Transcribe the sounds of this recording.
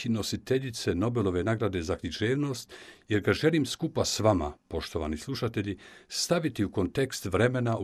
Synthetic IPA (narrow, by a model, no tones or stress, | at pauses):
ino̞sit̪e̞ʎit̪se̞no̞be̞lo̞ʋe̞naɡɾad̪e̞zakɾiʒeːʋno̞ːst̪je̞ɾɡaʒe̞limskupasʋama̰po̞ʃt̪o̞ʋa̰ːnislˠuʃat̪e̞ʎist̪aʋit̪iuko̞nt̪e̞kst̪ʋɾe̞me̞nau